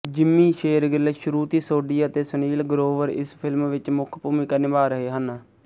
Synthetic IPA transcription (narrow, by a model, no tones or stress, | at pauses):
d͡ʒɪmːĩːʃeːɾɡɪleʃʊɾuːt̪iːsoːɖiːət̪eːsəniːlɡɾoːʋəɾɪ̰spʰɪlmʋɪt͡ʃmʊkʰpuːmiːkənɪbaːɾəɦeːɦən